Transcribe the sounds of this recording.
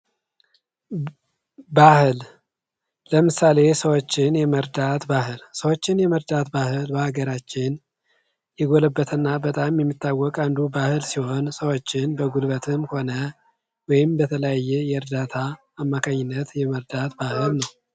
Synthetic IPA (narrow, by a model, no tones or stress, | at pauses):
bahɨl | ləmɨsale̞səwot͡ʃːɪnjɛməɾd̪at̪bahɨlsəwot͡ʃːɪnjɛməɾd̪at̪bahɨlbəhaɡəɾat͡ʃːɪn | jɛɡo̞ləbːət̪ʰɨnːabət̪ʼamjɛmːit̪ːawːɔkʼand̪ubahɨlsiho̞nsəwot͡ʃːɪnbəɡulbət̪ʰɨmho̞nə | wɔjɪmbət̪ʰələjajːɛjɛɨɾd̪at̪ʰaː | mːakʰaɲːɪnːət̪jɛməɾd̪at̪bahɨlnəw